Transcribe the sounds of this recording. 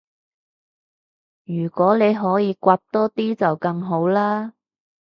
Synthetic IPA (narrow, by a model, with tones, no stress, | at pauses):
jyː˨˩kʷɔː˨˥ne˨˧jɦɔː˨˥jiː˨˧kʷaː˧p̚t̪ɔː˥t̪iː˥t͡sɐ˨wkɐ˧ŋɦo˨˥wlaː˥